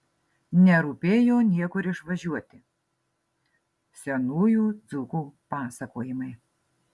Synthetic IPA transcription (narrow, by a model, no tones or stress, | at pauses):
nʲɛɾuːpʲeːjoːnʲiɛkʊɾʲɪʃʋɐʒʲuɔt̪ʲɪ | sʲɛnuːjuːd̪zukuːpɑːsɐkoːjɪmɐɪ